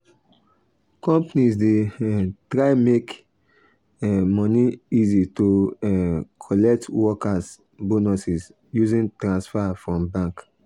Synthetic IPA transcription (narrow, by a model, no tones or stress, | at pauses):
kɔ̃mpnisdetɹaɪmek | ɛmɔniizitoɛkʰɔlɛk̚twɔkas | bonusis | juzĩntɹãnsfafɹɔ̃mbãŋk